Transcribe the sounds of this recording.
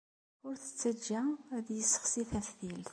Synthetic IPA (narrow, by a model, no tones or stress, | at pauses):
ʊɾθə̥t͡sːæd͡ʒːæðjəsːə̥χsiθæθθilθ